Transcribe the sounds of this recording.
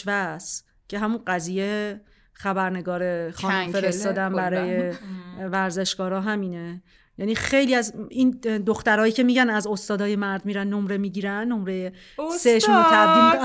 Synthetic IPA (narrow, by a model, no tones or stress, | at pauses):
væs | cʰe̞ɦæmunɢæziːje | xæbæɾne̞ɡɒːɾe̞xɒːnmfe̞ɾest̪ɒːd̪æmbæɾɒːje̞væɾze̞ʃɡ̥ɒːɾɒːɦæmiːne | jæniːxe̞jliæzind̪oxt̪æɾɒːjiːcʰe̞miːɟænæzo̞st̪ɒːd̪ɒːjemæɾd̪miːɾænːo̞mɾe̞miːɟiːɾænːo̞mɾeje | seʃnot̪ʰæd̪im